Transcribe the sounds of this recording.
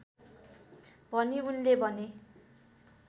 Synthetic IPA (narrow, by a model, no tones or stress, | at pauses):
bʱʌniunlebʱʌne